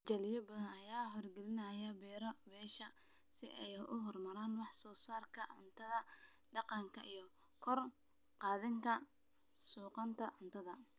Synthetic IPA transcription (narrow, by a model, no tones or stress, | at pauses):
d͡ʒɐlɪjɐbɐðɐnɐjaːɦɔrɡɛlɪnɐjɐbɛːɾɔbɛːʃɐ | sɪʔɛjʊ̰ɦɔrmɐɾaːnwɑħsɔːsaːrkʰɐʕʊnt̪ʰɐðɐ | ɖɑqɑŋkʰɐʔijɞ | kʰɔr | qɑːðɪŋkʰɐ | suːqɑnt̪ʰɐʕʊnt̪ʰɐðɐ